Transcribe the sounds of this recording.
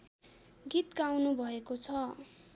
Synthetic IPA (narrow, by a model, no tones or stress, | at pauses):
ɡit̪ɡawnubʱʌekot͡sʰʌ